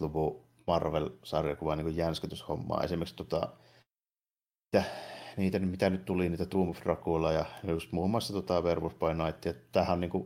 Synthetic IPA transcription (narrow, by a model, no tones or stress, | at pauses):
luʋuˑ | mɑrʋelsɑrjɑkuʋɑniŋkujjænskyt̪ysho̰mːɑ̰ːḛsimːˑekst̪ot̪ɑ̰ˑ | it̪æniːt̪ænymit̪ænyt̪t̪uliniːt̪æt̪uːmufrɑkulɑjɑnejust̪muːmːˑɑˑst̪ɑt̪uot̪ɑʋerʋuspɑˑinɑˑit̪ːijɑit̪æhænniːŋku